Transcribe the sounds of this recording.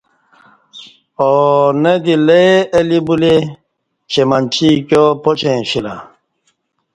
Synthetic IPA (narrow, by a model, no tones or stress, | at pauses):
ɔnɛd̪ilɛeɛlibule | t͡ʃemant͡ʃikjɔpɔt͡ʃɛ̃fila̰